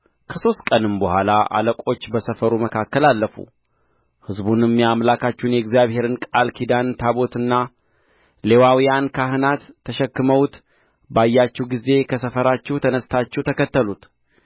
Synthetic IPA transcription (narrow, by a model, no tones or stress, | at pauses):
kʰəso̞st̪̚kʼənɨmbəhʷalaʔa̰ləkʷʼo̞t͡ʃːbəsəfəɾuməkʰakːəlalːəfṵ | hɨzbunɨmːjamlakʰat͡ʃːunjɛɡzjaβhe̞ɾɨnkʼalkʰid̪ant̪ʰaβo̞t̪ɨnːa | le̞wawijankʰaɦɨnat̪ʰːəʃɛkːɨməwt̪ | bajːat͡ʃːɛwɡize̞kʰəsəfəɾat͡ʃːɛwt̪ʰənəst̪ʰat͡ʃːɛwt̪ʰəkət̪ːəlut̪